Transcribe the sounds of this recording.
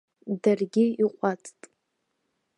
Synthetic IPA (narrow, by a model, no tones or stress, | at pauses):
darɡʲɪiqʷʼat͡sʼtʼ